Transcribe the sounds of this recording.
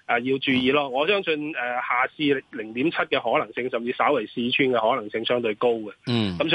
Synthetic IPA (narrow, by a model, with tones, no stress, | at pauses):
ʔɛː˨˩jiː˧wt͡ʃyː˧jiː˨˧lɔː˥ŋɔː˨˧sœː˥ŋsɵ˧nɛː˨haː˨˩siː˧˨lɪ˨˩ŋt̪iː˨˥mt͡sʰɐ˥t̚kɛː˧ɦɔː˨˥lɐ˨˩ŋsɪ˧ŋsɐ˨mt͡siː˧saː˨˥wɐ˨˩jsiː˧t͡ʃʰyː˥nkɛː˧hɔː˨˥lɐ˨˩ŋsɪ˧ŋsœː˥ŋt̪ɵ˧ɥko˥wkɛ˨kɐ˨˥ms